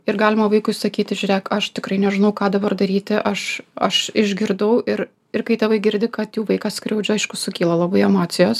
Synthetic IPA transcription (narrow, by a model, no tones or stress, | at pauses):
ɪrɡɑːlʲɪmɐʋɐɪkʊɪsɐkʲiːt̪ʲɪʒʲʊɾʲɛɪkɐʃt̪ʲɪkrɐɪnʲɛʒʲɪnɐʊkɑːd̪ɐbɐrd̪ɐɾʲiːt̪ʲɪʔɐʃɐ̰ʃɪʒʲɡʲɪɾd̪ɐʊɪɾ | ɪrkɐɪt̪ɐʋɐɪɡʲɪɾʲd̪ʲɪkɐt̪juːʋɐɪkɐsʲkɾʲɛʊd͡ʒʲʊɐɪʃkʊsʊkʲiːlˠɐlˠɑbɐɪɛmɑːt̪sʲɪjoːs